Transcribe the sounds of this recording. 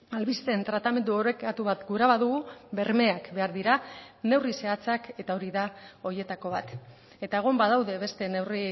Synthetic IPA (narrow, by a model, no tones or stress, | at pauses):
alβist̪e̞nt̪ɾat̪ame̞nd̪uoɾekat̪uβat̪ɡuɾaβaðuɣube̞ɾme̞akbe̞aɾðiɾane̞wrise̞at͡sake̞t̪ao̞ɾiðao̞ɾje̞t̪ako̞β̞at̪ | e̞t̪aeɣ̞o̞mbað̞awðe̞βe̞st̪e̞ne̞wri